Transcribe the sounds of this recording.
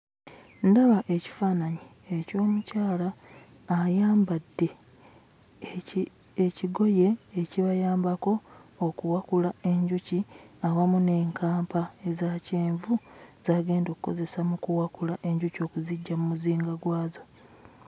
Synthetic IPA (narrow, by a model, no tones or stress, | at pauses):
ndaβaʔe̞ci̥faːnaɲi | eco̞ːmucaːlaː | jaːmbadːe̞ | eciɡo̞je̞ːciβajaːmbako̞ːkuwakulae̞ɲɟuciaβamune̞ːŋkʰaːmpaezaceːɱvuzaːɡe̞ːndo̞kukːo̞̰ze̞samukuwakulaʔe̞ɲɟuco̞ːkuziɟːamumuziːŋɡaɡwaːzo